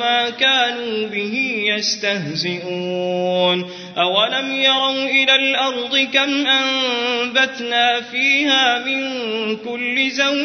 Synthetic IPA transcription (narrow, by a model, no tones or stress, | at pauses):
aːkaːnuːbɪhɪjast̪ahzɪʔuːn | ʔawalamjɑɾˤɑwʔɪlaːlʔɑɾˤd̪ˤɨkamʔambat̪naːfiːhaːmɪŋkʊlːɪzaw